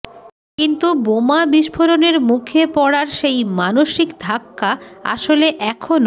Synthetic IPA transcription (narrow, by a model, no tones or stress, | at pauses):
kint̪ubomabiʃpʰoɾoneɾmukʰepɔɽaɾʃejmanoʃikd̪ʱakːaa̰ʃoleʔɛkʰono